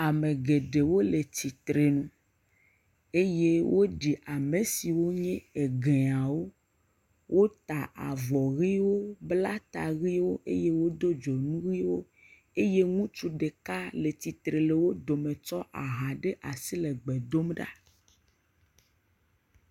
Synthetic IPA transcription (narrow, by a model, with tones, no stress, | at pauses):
a˨mẽ˨ɡe˨ɖe˨wo˦le˨t̪i˨t̪ɾe˨nũ˨ | e˦je˦wʔo˦ɖi˨ʔa˨me˨si˨wo˦ɲɛ̃˦e˨ɡe˨a˨wo˦ | wo˦t̪a˨ʔa̰˨vɔ˨ɣi˦wo˦bla˦t̪a˨ɣi˦wo˦ʔḛ˦je˦wo˦d̪o˦d͡ʒɔ˨nũ˦ɣi˦wo˦ | e˦je˦ŋũ˦t͡ʃu˦ɖe˨ka˦le˨t̪i˨t̪ɾe˨le˨wo˦d̪o˨mẽ˨t͡ʃɔ˦ʔa˨ɦa˨ɖe˦ʔa˨si˦le˨ɡ͡be˨d̪o˦mɖa̰˦